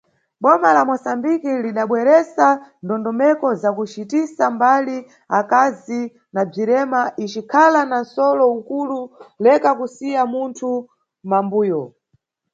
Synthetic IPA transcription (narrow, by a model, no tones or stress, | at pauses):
ɓɔmalamɔsambikiliɗaɓwɛɾɛsandɔndɔmɛkɔzakut͡ʃitisambali | akazi | nab͡ʐiɾɛmaʔit͡ʃikʰalanansɔlɔukululɛkakusijamuntʰu | mambuːjɔ